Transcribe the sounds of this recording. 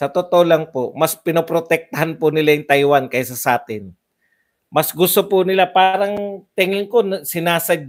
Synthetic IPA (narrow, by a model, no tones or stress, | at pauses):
sɐt̪ot̪oʔolaŋpomɐspɪnopɾot̪ɛk̚t̪ɐɦanpʊnɪlajɪŋt̪ajwankɐjsɐsaːt̪ɪn | mɐsɡʊst̪opʊnɪlapaːɾɐŋt̪ɛŋɪŋkonsɪnaːsɐɡ̚